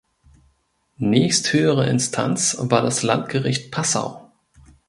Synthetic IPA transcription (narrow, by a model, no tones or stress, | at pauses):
nɛːçsthøːəʁəʔɪ̰nstʰa̰nt͡svaːɐdasla̰ntɡ̥əʁɪçt̚pʰasa̰ʊ